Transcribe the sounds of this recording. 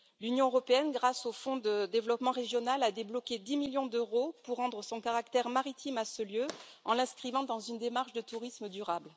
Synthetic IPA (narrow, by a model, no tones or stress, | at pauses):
lynjɔ̃øʁɔpeɛnɡʁasofɔ̃d̪əd̪evlɔpmɑ̃ʁeʒjɔnalad̪eblɔkʲed̪imiljɔ̃d̪øʁopuʁːɑ̃d̪ʁəsɔ̃kaʁakt̪ɛʁmaʁit̪ʰimasəljøɑ̃lɛ̃skχivɑ̃d̪ɑ̃zynd̪emaʁʃd̪ət̪uʁisməd̪yʁabl